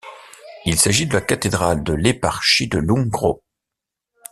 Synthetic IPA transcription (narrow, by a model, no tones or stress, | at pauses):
ilsaʒid̪əlakat̪ed̪ʁald̪əlepaʁʃid̪əlũɡʁo̰